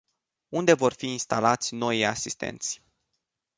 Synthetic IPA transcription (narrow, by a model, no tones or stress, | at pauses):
und̪e̞vo̞rfiːnst̪alat̪sʲno̞jijasist̪e̞̰nt̪sʲ